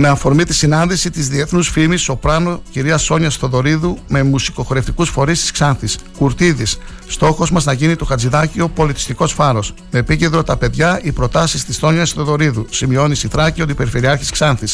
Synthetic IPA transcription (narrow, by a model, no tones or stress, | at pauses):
me̞ɐfo̞ɾmit̪i̥sinɐnðisit̪izðie̞θnusfimiso̞pɾɐno̞ciɾiɐso̞ɲɐsθo̞ðo̞ɾiðume̞musi̥ko̞xoɾe̞ft̪ikusfo̞ɾist̪i̥sksɐnθiskuɾt̪iðisː | t̪o̞xo̞zmɐznɐʝinit̪oxɐd͡ziðɐcio̞po̞lit̪i̥st̪iko̞sfɐɾo̞smeːpiced̪ɾo̞t̪ɐpe̞ðʝɐipɾo̞t̪ɐsist̪isθo̞ɲɐsθo̞ðo̞ɾiðusimio̞nisiθɾɐciot̪ipeɾifeɾiɐɾçisksɐnθis